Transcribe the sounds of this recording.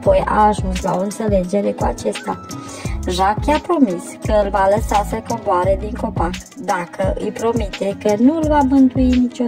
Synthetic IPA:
po̞ja̰ːʒunsla̰o̞ɨnt̪se̞le̞d͡ʒe̞ɾe̞kua̰t͡ʃe̞st̪a | ʒakapɾo̞miskəɨlvaləsasəko̞mboaɾe̞d̪iŋko̞pa | d̪akəʔɨ̰jpɾo̞mit̪e̞kənuɨlvamɨnt̪uinit͡ʃo

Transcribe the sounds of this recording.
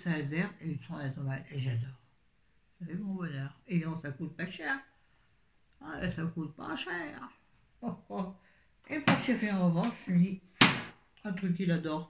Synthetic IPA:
salvɛʁeisɔ̃d̪ɛt̪ɔmaleʒad̪ɔːʁ | savɛmɔ̃bɔnœʁenɔ̃sakut̪̚paʃɛʁ | esakut̪̚pɑ̰ʃɛːʁ | ɔkɔ | epuʁʃɛʁeɑ̃ʁəvɑ̃ʃʒmi | ɛ̃t̪χykːilad̪ɔːʁ

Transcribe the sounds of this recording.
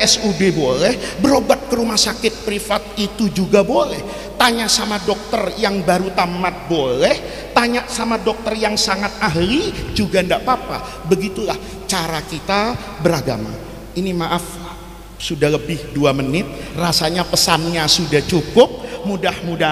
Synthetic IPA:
ɛsubebolɛhbəɾobat̪̚kəɾumahsakɪt̪̚pɾifat̪̚it̪ud͡ʒuɡabolɛh | t̪aɲaʔsamadɔk̚t̪ərjaŋbaɾut̪amat̪̚bolɛh | t̪aɲaʔsamadɔk̚t̪ərjaŋsaŋat̪̚aɦlid͡ʒuɡandaʔpapa̰ | bəɡit̪ulah | t͡ʃaɾakit̪a | bəɾaɡa̰ma̰ | inimaʔafl | sudahləbɪhduamənɪt̪̚rasaɲapəsanɲasudaht͡ʃukʊp̚mudahmuda

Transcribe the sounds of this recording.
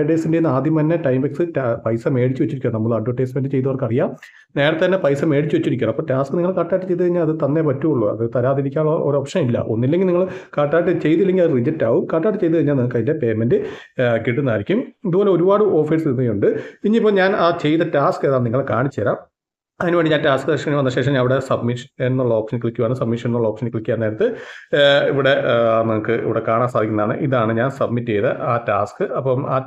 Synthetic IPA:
ʈːesindenaːd̪imɐnːɐʈɐjmbɐksɨtpɐjsɐme̞ːɽit͡ɕːuʋet͡ɕːiɾikʲːunɐnɐmːɐɭɐɖʋɐʈːɐjsmendɨt͡ɕe̞jt̪̬ɐʋɐrkɐrijaː | ne̞ːɽɐt̪etɐnːepɐjsɐme̞ːɽit͡ɕːuʋet͡ɕːiɾik̬ʲːnɐpːoːʈaːskɨniŋːɐɭkaːʈːaːjʈːɨt͡ɕejt̪ukɐɻiɲːaːlɐðɨt̪ɐnːepɐtːuuɭːṵɐ̰ðɨt̪ɐɾaːðiɾikʲːaːɭːoɾuopʂɐnɐmilːɐ̰ʔo̞̰nːilːeŋɡilniŋːɐɭkaːʈːaːʈːɨt͡ɕe̞jt̪ilːeŋɡilɐðɨrid͡ʑɐtːaːʋumkaːʈːaːʈːɨt͡ɕe̞jt̪ukɐɻiɲːalniŋːɭkɐjinde̞pe̞ːmendɨ | kiʈːunːaːɾikʲːumiɐðuboːle̞o̞ɾubaːɽɨo̞ːfiːsniuɳɖɨiɲːiipːoːɲaːnaːt͡ɕe̞jt̪ɐtaːskeðaːniŋːɐɭkaːɳit͡ɕːeːɾaːm | ɐðinuʋeɳɖiɲaːntaːskːɨɐʂɐkːiʋɐnɐɕe̞ːʂɐmɲaːniʋiɽe̞sɐbmiʂɐenːuɭːɐoːkʂɐnkɭikʲːuʋaːɳɨsɐbmiʂɐnenːuɭːɐoːkʂɐnɨkɭlikʲːaːneːɾɐt̪ːɨ | iʋiɽe̞nɐmɐkːɨḭʋiɽe̞kaːɳaːnsaːd̪ʱikʲunːɐðaːɳɨ̰ʔiðaːɳɨɲaːnsɐb̚mitːt͡ɕejðɐʔaːtaːskɨɐpːɐma̰ː

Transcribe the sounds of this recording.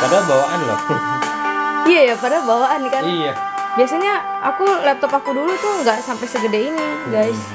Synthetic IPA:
padabawaʔanla̰h | ijajapadabawaʔankarijabiasaɲaʔakulɛp̚t̪ɔpakudulut̪ʊŋɡaʔsampajsəɡədainiɡajs

